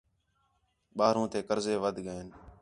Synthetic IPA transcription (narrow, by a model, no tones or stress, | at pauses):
ɓaːɾũːt̪eːkəɾzeːʋəd̪ʱɡəeːn